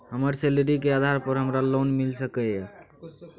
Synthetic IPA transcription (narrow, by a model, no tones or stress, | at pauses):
ɦəməɾselɾikead̪ʱaɾpəɾɦəmɾalonmilsəkɛɛ